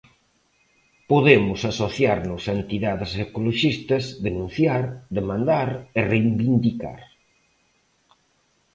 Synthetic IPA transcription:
poðemʊsasoθjaɾnʊsent̪iðaðɪsekoloʃist̪ɐzd̪enũn̟θjaɾd̪emãnd̪aɾerejmbind̪ika̰ɾ

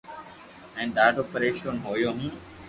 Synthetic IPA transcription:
ɛ̃ːnd̪aːʈopəɾeːʃonɦoːjoːɦĩ

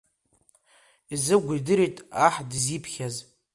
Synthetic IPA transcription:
izɨɡʷidɨɾitʼaħdɨzipʰχʲaz

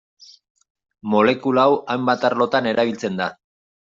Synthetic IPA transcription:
mo̞le̞kulaːwajmbat̪aɾlo̞t̪ane̞ɾaβ̞ilt͡se̞nd̪a

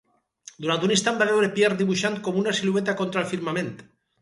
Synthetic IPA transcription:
d̪uɾant̪unĩnst̪ambaβewɾepjeɾd̪iβuʃant̪̚komunasiluet̪̬akont̪ɾaelfiɾmamẽnt̪

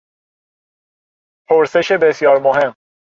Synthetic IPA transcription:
pʰoɾse̞ʃebesjɒːɾmoɦe̞mː

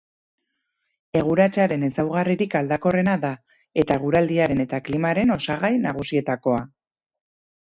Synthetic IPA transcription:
e̞ɣ̞uɾat͡ʃaɾe̞ne̞sawɣ̞ariɾikald̪ako̞re̞naða | e̞t̪aɣ̞uɾald̪iaɾe̞ne̞t̪aklimaɾe̞no̞saɣ̞ajnaɣ̞usie̞t̪ako̞a

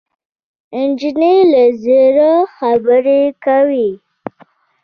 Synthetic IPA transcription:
ɪnd͡ʒinelazeɾaxabəɾekawi

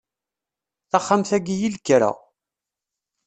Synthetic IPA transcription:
θɑχːamθæɡijilkːɾæ̰

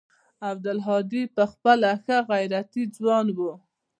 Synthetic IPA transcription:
ab̚d̪alɦɑd̪ipəxpəlaxəɣajɾat̪id͡zwɑnwu

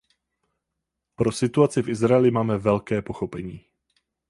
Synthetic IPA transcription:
pɾo̞sɪt̪uat͡sɪfʔɪzɾaɛlɪmaːmɛvɛlkɛːpo̞xo̞pɛɲiː

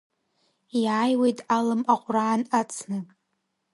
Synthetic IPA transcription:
jaːjwejtʼalɨmaqʷʼraːnat͡sʰnɨ

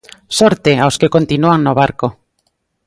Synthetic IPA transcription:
sɔɾt̪eawskekont̪inuaŋnoβaɾko

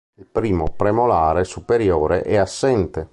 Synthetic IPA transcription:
ilpɾiːmopɾemolaːɾesupeɾjoːɾḛʔɛasːɛnt̪e

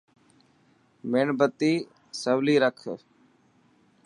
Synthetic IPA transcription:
meɳbət̪iː | səʋliːɾəkʰ

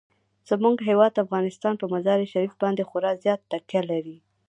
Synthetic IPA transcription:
z̥əmuɡɦewɑd̪afɣɑnɪst̪ɑnpəmazɑɾiʃaɾifbɑnd̪exʊɾɑzjɑt̪ːakjalaɾi

